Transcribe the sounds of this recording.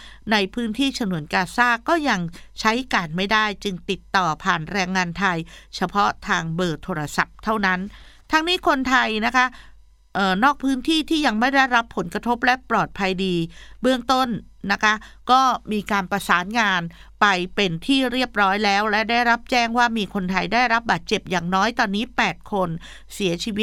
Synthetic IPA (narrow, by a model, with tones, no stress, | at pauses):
na˧jpʰɯː˦˥nt̪ʰiː˥˩sʰa˧nu˨˩˦ənkaː˧saː˥˩kːɔː˥˩ja˧ŋt͡ɕʰa˦˥jkaː˧nma˥˩jdaː˥˩jt͡ɕɯ˧ŋt̪i˨˩t̪ːɔː˨˩pʰaː˨˩nɾɛː˧ŋːaː˧nt̪ʰa˧jt͡ɕʰa˧pʰɔ˦˥t̪ʰaː˧ŋbɤː˨˩t̪ʰoː˧ɾa˧sa˨˩p̚t̪ʰa˥˩wna˦˥nt̪ʰa˦˥ŋniː˦˥kʰo˧nt̪ʰa˧jna˦˥kʰa˦˥ | ʔɤː˨˩nɔː˥˩k̚pʰɯː˦˥nt̪ʰiː˥˩t̪ʰiː˥˩ja˧ŋma˥˩jda˥˩jɾa˦˥pʰːo˩˦nkɾa˧t̪ʰo˦˥p̚lɛ˦˥ʔplɔː˨˩t̪̚pʰa˧jdiː˧bɯ˥˩əŋt̪o˥˩nː | a˦˥kʰa˦˥kɔː˥˩miː˧kaː˧npɾa˧saː˩˦nŋaː˧n | pa˧jpe˧nt̪ʰiː˥˩ɾi˥˩əp̚ɾɔː˦˥jlɛː˦˥wlɛ˦˥da˥˩jɾa˦˥p̚t͡ɕɛː˥˩ŋwaː˥˩miː˧kʰo˧nt̪ʰa˧jdaː˥˩jɾa˦˥p̚baː˨˩t̪̚t͡ɕe˨˩p̚jaː˨˩ŋnɔː˦˥jt̪ɔː˧nːiː˦˥pɛː˨˩t̪̚kʰo˧n | si˩˦ɐt͡ɕʰiː˧wt̪̚